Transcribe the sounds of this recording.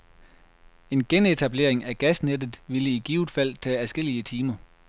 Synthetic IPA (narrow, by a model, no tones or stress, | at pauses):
e̝nɡ̥ene̝t͡sʰæb̥le̝̰ɐeŋæɡ̥æsned̥ð̩ˠʋiləiɡ̥iʊd̥ˠfæl̰t͡sʰɛ̰ːæsɡ̥e̝l̰iət͡sʰiːmɐ